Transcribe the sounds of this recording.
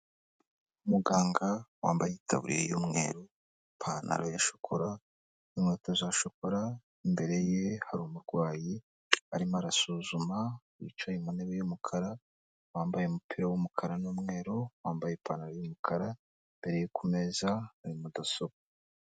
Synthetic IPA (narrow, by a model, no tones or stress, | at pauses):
umuɡaːŋɡawa̰ːmbajeitʰa̰βṵɾḭɾḛjoːmŋe̞̰ːɾo | pʰana̰ɾojaʃo̥kʰo̞ɾa | numŋetazaʃoko̞ɾa | imbe̞ɾe̞jehaɾuːmuɾɡwaːji | aɾimaɾasuːzuma | ḭt͡ʃajemuneβejumukʰaɾa | waːmbajeumupʰiɾawumukʰaɾanuːmŋe̞ːɾowaːmbajepanaɾojomukʰaɾa | imbe̞ɾe̞jekume̞ːzaaɾimudasoβa